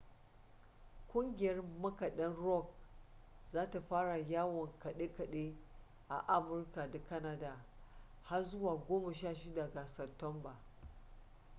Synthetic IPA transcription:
kʷʼʊ˦ŋɡʲɪ˨jɐ˦rmɐ˦ka˨ɗɐ˦nɾɔ˦k̚ | zaː˦ta˨ɸaː˦ɽa˨jaː˦wɔ˨ŋkɐ˨ɗe˦kɐ˨ɗe˦ | ʔa˨ʔa˦mʊ˦rka˨da˨kɐ˦na˦da˨ | ha˦rzʊ˦waː˨ɡʷoː˦mɐ˨ʃaː˦˨ʃɪ˦da˨ɡa˨sɐ˨tɔ˦mba˨

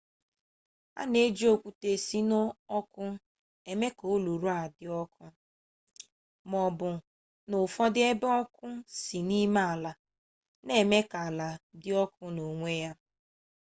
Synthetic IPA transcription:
a̰˦ne˦d͡ʒi˦o˨kʷu˨te˨si˦no˦ɔ˦kʊ˦ | e˨me˦ko˨˦lu˨ɾu˦a˨dɪ˨ɔ˦kʰʊ˦ | mɔ˨bʊ˨ | nʊ˨fɔ˦dɪ˦e˦bɔ˦kʊ˦si˨ni˦ma˦a˨la˨ | ne˦˨me˦ka˨la˨dɪ˦ɔ˦kʊ˦no˨ŋʷe˦ja˦

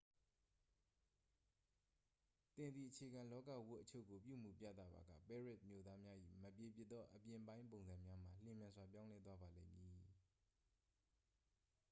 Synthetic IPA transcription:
t̪ɪ̃˨nd̪i˨ʔət͡ɕʰe˨ɡã˨lɔ˦kä̰˦˨wʊ˦ʔət͡ɕʰo˦˨ʔko˨pjṵ˦˨m̥ṵ˦˨pja̰˦˨t̪a̰˦˨ba̰˨ɡä̰˦˨pɛ˦˨ɹɪ˦t̚mjo̰˦˨d̪a˦mja˦ʔḭ˦˨məpje˨p̬jɪ˦ʔ̪̚t̪ɔ˦ʔəpjɪ̃˨bã˦ɪ̃mp̬õ˨ʊ̃nzã˨mja˦m̥a˨l̥ɪ̃˨mjã˨nzwa˨p̬jã˦ʊ̃lɛ˦t̪wa˦ba˨lḛ̃˦ɪ̃mji˨

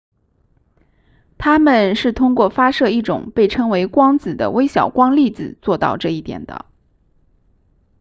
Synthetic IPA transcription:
t̪ʰa˥mə˨nʂɻ̩˥˩t̪ʰʊ˥ŋkwɔ˥˩fa˥ʂɤ˥˧i˥˩ʈ͡ʂʊ̰˨˩˦ŋpe˥˩ɪʈ͡ʂʰɤ˥ŋwe˧˥ɪkwɑ˥ŋt͡sɹ̩˨˩d̪ə̰˦we˥ɪɕjɑ̰˨˩ʊkwɑ˥ŋli˥˩t͡sɹ̩˨˩t͡swɔ˥˧t̪ɑ̰˥˧ʊʈ͡ʂɤ˥˧i˥˩t̪jɛ̰˨˩nd̪ə̰˦

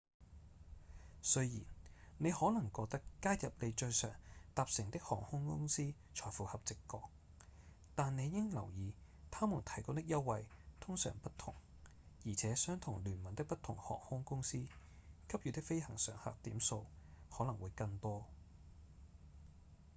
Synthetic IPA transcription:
sɵ˥ɥjḭː˨˩nne˨˧jhɔː˨˥lɐ˨˩ŋkɔː˧k̚t̪ɐ˥kkaː˥jjɐ˨p̚ne˨˧jt͡ʃɵ˧ɥsœ̰ː˨˩ŋt̪aː˨p̚sɪ˨˩ŋt̪ɪ˥k̚hɔː˨˩ŋhʊ˥ŋkʊ˥ŋsiː˥ | t͡ʃʰɔː˨˩jfuː˨hɐ˨p̚t͡sɪ˨kːɔː˧k̚ | t̪aː˨ne˨˧jjɪ˥ŋlɐ˨˩wjiː˨˧t̪ʰaː˥mʊ˨˩nt̪ʰɐ˨˩jkʊ˧˥t̪ɪ˥k̚jɐ˥wwɐ˨jt̪ʰʊ˥ŋsœ̰ː˨˩ŋpɐ˥t̪ʰʊ˨˩ŋ | jiː˨˩t͡sʰɛː˨˥sœː˥ŋt̪ʰʊ˨˩ŋlyː˨˩nmɐ˨˩nt̪ɪ˥k̚pɐ˥t̪ʰʊ˨˩ŋhɔ̰ː˨˩ŋhʊ˥ŋkʊ˥ŋsiː˥ | kʰɐ˥p̚jy˨˧t̪ɪ˥kfe˥jhɐ˨˩ŋsœː˨˥ŋha̰ː˨k̚t̪iː˨˥mso˧whɔː˨˥lɐ˨˩ŋwuː˨˧jkɐ˧ŋt̪ɔː˥

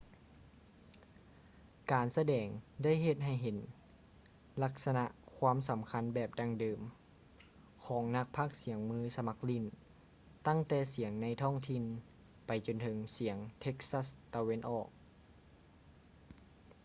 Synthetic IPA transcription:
kaː˨˩nsa˧dɛː˨˩ŋda˥˨jɦe˧˩t̪̚ɦa˧˩jɦe˨˦n | la˧˥k̚sa˧na˧ʔkʰwaː˧˥˨msa˨˩˦mkʰa˧˥˨nbɛː˨˩p̚daː˧˩ŋdɤː˨˩m | kʰɔː˩˦ŋna˧˥k̚pʰaː˥˩k̚si˨˦əŋmɯː˧˥˩sa˧ma˧˥k̚li˧˩˨n | t̪a˥˩˨ŋt̪ɛː˧˩si˨˩˦əŋna˧˥jt̪ʰɔ˥˩ŋt̪ʰi˧˩˨n | pa˨jt͡ɕo˨nt̪ʰɤ˨˧˦ŋsi˨˩˦əŋt̪ʰe˧˥k̚sa˧˥˩st̪a˧we˧˥˨nʔɔː˨˩k̚

